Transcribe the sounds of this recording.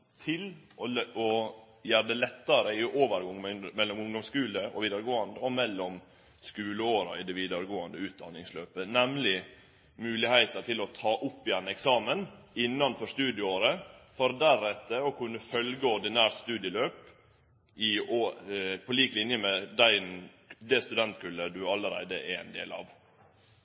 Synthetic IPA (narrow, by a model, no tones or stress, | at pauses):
t̪ʰɪlʔɔɔ | jæːɾɖ̪ɛlɛt̪ːɑɾəɪʔoːʋəɾɡɔŋːmɛlːɔmʊŋd̪ɔmskʉːləʔɔ̰ʋiːd̪əɾɡoːɑnd̪əɔmɛlːɔm | skʉːləoːɾɑ̰ɪd̪ɛʋiːd̪əɾəɡoːɑnd̪əʉːt̪̚d̪ɑ̰nːɪŋsløːpənɛmlɪ | mʉːlɪhæɪt̪ɑʈ̪ʰɪlɔt̪ʰɑːʔʊpːɪɛnɛksɑːmənɪnːɑnfɔʂst̪ʉːd̪ɪəoːɾəfɔɾd̪æɾɛt̪ːəɔkʉnːəfœlɡəɔɾɖ̪ɪnæːɾʈ̪st̪ʉːd̪jəløːp | ɪopʰɔliːklɪnjəmɛd̪æɪn | d̪ɛst̪ʉd̪ɛnt̪kʰʉlːəd̪ʉɑləɾæ̰ɪd̪əʔɛæ̰ɪnd̪ḛːlɑ̰ʋ